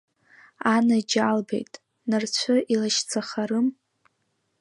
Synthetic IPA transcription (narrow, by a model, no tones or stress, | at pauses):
anad͡ʒalbḛjtʼ | nɨrt͡ɕʷʰʊʔilaʃt͡sʰaχaɾɨm